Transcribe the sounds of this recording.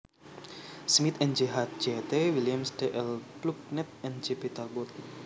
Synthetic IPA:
smit̪ɛnd͡ʒəɦat̪̚d͡ʒet̪ewiljamsdeʔɛlpluk̚nɛt̪̚ɛnd͡ʒepit̪albɔt̪̚

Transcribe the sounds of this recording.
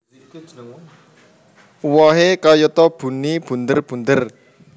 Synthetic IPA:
wɔɦekajət̪ɔb̥ṳnib̥ṳnd̪ərb̥ṳnd̪ər

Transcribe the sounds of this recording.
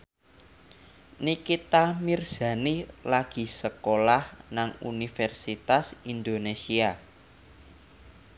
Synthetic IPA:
nikit̪amirz̥ä̤nilaɡ̥i̤səkolahnaŋṵnifɛrsit̪asind̪onesia

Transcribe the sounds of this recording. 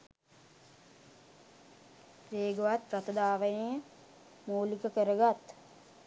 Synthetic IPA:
ʋeːɡoʋat̪rat̪əd̪aːʋənejə | moːlikəkəɾəɡat̪

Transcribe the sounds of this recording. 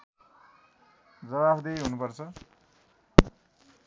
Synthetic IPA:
d͡zʌβabd̪ejɦunupʌrt͡sʰʌ

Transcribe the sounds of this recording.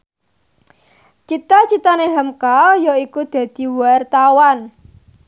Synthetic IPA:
t͡ʃit̪at͡ʃit̪aneɦəmkaljaikud̪̥ä̤d̪̥i̤wart̪awan

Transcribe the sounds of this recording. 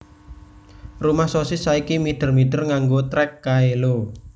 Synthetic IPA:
rumahsosɪsaikimid̪̥ə̤rmiɖ̪̥ərŋaŋɡot̪ɾɛkːaelo

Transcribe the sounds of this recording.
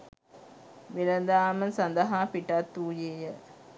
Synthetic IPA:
ʋilənd̪aːmənsɐnd̪əɦaːpiʈat̪ːuːjeːjə

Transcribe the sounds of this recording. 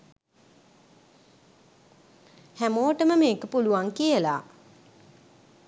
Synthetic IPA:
hæmoːʈəməmeːkəpuluʋaŋkijəlaː

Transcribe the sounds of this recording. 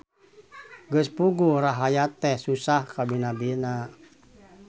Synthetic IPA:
ɡəspuɡuɾaɦajat̪ɛhsusahkabinabina

